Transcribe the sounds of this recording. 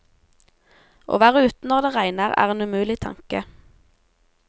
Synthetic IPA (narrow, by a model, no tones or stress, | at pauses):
ʔo̰ːʋæːʁəʉːt̪n̩ɔʁd̪eːʁæɪnəʁæ̰ːʁeːnʉmʉːlɪt̪ʰɑ̰ŋkə